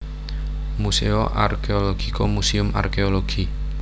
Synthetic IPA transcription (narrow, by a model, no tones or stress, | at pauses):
museoʔa̰rkeoloɡ̥ikomusiʊma̰rkeoloɡ̥i